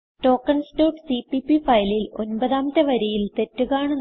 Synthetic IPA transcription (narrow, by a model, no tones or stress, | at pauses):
to̞ːkːɐɳsʈoːʈsipipːifɐjlilonbɐðaːmɐt̪ːɐʋɐɾijilt̪e̞tːuɣaːɳɨn